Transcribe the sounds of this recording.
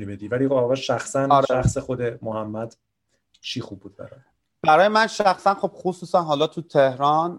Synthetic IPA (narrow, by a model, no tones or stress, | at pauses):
ibed̪ivæliɒʁɒːʃæxsænɒɾæxsexod̪emohæmːæd̪̥ | ʃiːxub̚ːuːd̪̚bæ̰ɾɒ̰ːj | b̥æɾɒːjemænʃæxsænχo̞b̥χosuːsænɦɒːlɒːt̪ʰut̪ʰehɾɒːn